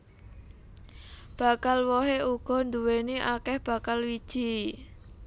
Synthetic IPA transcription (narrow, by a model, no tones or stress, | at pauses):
b̥a̤kalwɔɦeuɡ̥ɔ̤nd̪uweneʔakɛhb̥a̤kalwid̥ʒ̥i̤